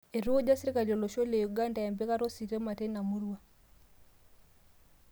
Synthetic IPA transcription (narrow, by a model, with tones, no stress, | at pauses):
e˨ɾu˦o˦d͡ʒa˦si˦ɾi˦ka˨lo˨lo˨ʃo˦le˨ju˨ɡa˦nda˨a˨mbe˦ka˦ɾo˦si˨ɾe˦ma˨te˦na˨mu˦ɾwa˦